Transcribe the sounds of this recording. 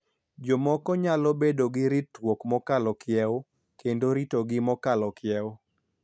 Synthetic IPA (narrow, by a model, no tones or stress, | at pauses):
d͡ʒɔmɔkɔɲalɔbedoɡɪɾitwokmɔkalɔkʰjɛwo | kendoɾitoɡɪmɔkalɔkjɛo